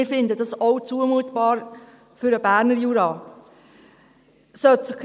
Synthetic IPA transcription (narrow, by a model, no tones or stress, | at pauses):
ɪɾfɪnd̪ədɑsɔʊt͡suəmuət̪b̥ɑːɾ | fʏɾəb̥æːɾnəɾjuːɾɑː | sœt̪səχ